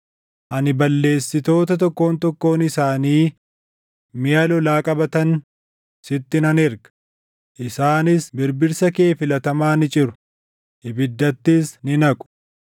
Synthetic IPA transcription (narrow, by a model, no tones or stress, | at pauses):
ʔɐnɪbɐlːe̞ːsːɪt̪o̞ːt̪ɐt̪̬ɔkːo̞ːnt̪ɔkːo̞ːnɪsaːniː | mɪjɐlɔlaːkʼɐbɐt̪ɐn | sɪt̪ːɪnɐnɪɾɡɐ̥ | ʔɪsaːnɪsbɪɾbɪɾsɐke̞ːfɪlɐt̪ɐmaːnɪt͡ʃʼɪɾʊ̥ | ʔɪbɪd̪ːɐt̪ːɪsnɪnɐkʼʊ̥